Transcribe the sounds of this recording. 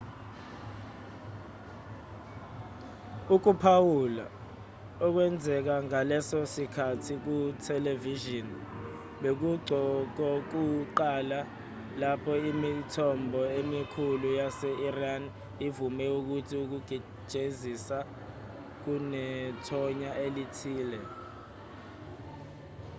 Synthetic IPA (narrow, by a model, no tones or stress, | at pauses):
uk̬upʰawula̰ | ɔk̬wɛnd͡zʱɛk̬aŋalɛsɔsikʰatʰik̬utʰɛleviʒɔn | ɓek̬uɡ͡ǀʱɔk̬ɔk̬uǃala | lapʰɔimitʰɔmbʱɔemikʰulujasɛʔiran | ivumɛuk̬utʰiuk̬uɡ̥ʱi̥ | ʒ̥ʱezisa | k̬unɛtʰɔɲaelitʰiːlɛ